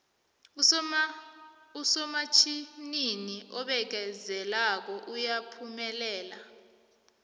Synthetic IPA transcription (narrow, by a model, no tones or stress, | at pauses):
usɔmat͡ʃʰininiʔɔɓɛk̬ɛzɛlak̬ɔʔujapʰumɛlɛːla